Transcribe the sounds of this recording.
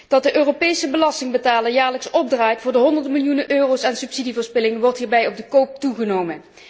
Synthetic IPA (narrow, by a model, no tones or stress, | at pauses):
d̥ɑt̚dəʔøːropejsəbəlɑstɪŋbətaːləɹjaːɹləksɔb̚draːjtfʊːɹdəɦɔndəɹdəmɪlˠjunənʔøːrowsɛnsypsidivəːɹspɪlɪŋəʋɔɹtɦiːɹbɛjɔb̚dəkowp̚tuχənowmən